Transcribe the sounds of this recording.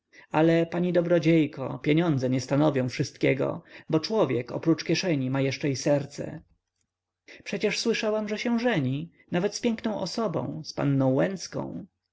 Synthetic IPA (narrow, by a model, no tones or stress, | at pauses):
alɛpaɲid̪ɔbɾɔd͡ʑejkɔ̰pʲjeɲɔnd̪zɛɲɛst̪anɔvʲjɔ̃w̃fʂɘst̪kʲɛɡɔ̰bɔt͡ʂwɔvʲjɛkɔ̰pɾut͡ʂkʲjɛʂɛɲimajɛʂt͡ʂɛisɛɾt̪sɛ̰ | pʂɛt͡ɕɛʂswɘʂawamʐɛɕɛw̃ʐɛɲi | navɛt̪spʲjɛŋknɔ̃w̃ʔɔsɔbɔ̰̃w̃spa̰nːɔ̃w̃wɛnt̪skɔ̰̃w̃